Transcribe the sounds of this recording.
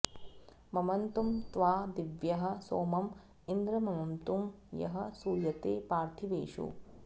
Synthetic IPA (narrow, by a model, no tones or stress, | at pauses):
mɐmɐnt̪umt̪ʋaːd̪iʋjɐɦɐ̆soːmɐm | ind̪ɾɐmɐmɐnt̪umjɐ̰ɦɐ̆suːjɐt̪eːpaːɾt̪ʰiʋḛːʂṵ